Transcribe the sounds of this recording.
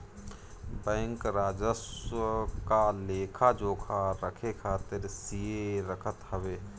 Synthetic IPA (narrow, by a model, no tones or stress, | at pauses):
bɛ̃ːŋkɾaːd͡ʒəsəkaleːkʰad͡ʒoːkʰaɾəkʰekʰaːt̪ɪɾsieɾəkʰət̪həʋeː